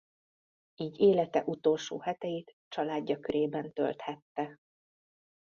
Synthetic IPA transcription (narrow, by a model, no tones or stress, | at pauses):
iːɟeːlɛt̪ɛ̰ʔut̪o̞lʃo̰ːhɛt̪ɛjeːt̪ | t͡ʃɒlaːɟːɒkøɾeːbɛnt̪ø̰lt̪hɛt̪ːɛ